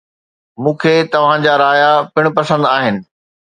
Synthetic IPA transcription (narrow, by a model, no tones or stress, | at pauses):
mũːkʰeːt̪ɐʋ̤ãd͡ʑaɾaːjapɪɽ̃pɐsə̃nd̪aːɦɪnɪ̆